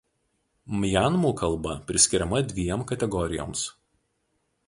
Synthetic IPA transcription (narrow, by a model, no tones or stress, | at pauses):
mʲjænmuːkɐlˠˑbɐpʲɾʲɪsʲkʲɪɾʲɛmɐd̪ʲʋʲijɛmkɐt̪ʲɛɡɔɾʲɪjo̰ːms